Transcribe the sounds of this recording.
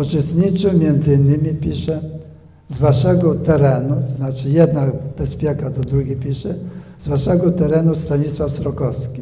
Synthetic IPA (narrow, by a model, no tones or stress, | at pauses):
ut͡ʂɛst̪ɲit͡ʂɘmʲjɛnd̪zɘinːɘmʲipʲiʂɛ | zvaʂɛɡɔt̪ɛɾɛnut̪ɔznat͡ʂɘjɛd̪nabɛspʲjɛkad̪ɔd̪ɾuɡʲipʲiʂɛzwaʂɛɡɔt̪ɛɾɛnust̪aɲiswafsɾɔkɔskʲi